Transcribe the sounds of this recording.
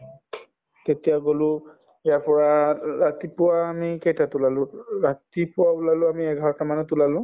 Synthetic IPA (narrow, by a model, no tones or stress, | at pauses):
tetijaɡolʊ̃ | ɛjapɔɹaɹatipʊwaːmikejtatʊlalʊ̃ɹatipʊwaʊlalʊ̃amiɛɡʱaɹɔtamanɛtulalʊ̃